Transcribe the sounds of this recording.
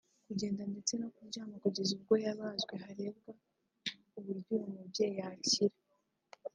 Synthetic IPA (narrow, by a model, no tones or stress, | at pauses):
kuɟe̞ːndande̞t͡se̞nokuɾɟaːmakuɟeziɾɡojaβaːzɡwe̞ɦaɾe̞ːbɡa | uβuɾɟuɾomuβɟejaciɾe